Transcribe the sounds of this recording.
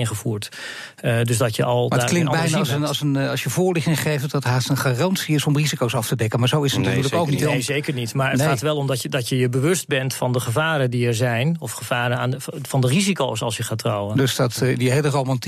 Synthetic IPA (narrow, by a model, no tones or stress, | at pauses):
ɪnχəvuːɹt | døsdɔtjə̰ʔɑlˠmaaːklɪŋbɛjnsənɑsənɑlˠsjəvoːɹlɪχtɪŋχejftdɑtɦaːstənχarɑntsiɪsɔmrizikowsɑftədɛkəmaːɹzowɪsətnatyːɹləkowknitzejkəɹnitmaːɹətχaːtʋɛlˠɔmdɔədɔtjəjəbəʋɵst̚bɛntfɑndəχəvaːɾəndiɛɹzɛjnɔfχəv̥aːɾənaːnəfɑndərizikowsɑ̰lˠsjəχaːtrɔwəndøsdɔtdiɦejlərowmɑnt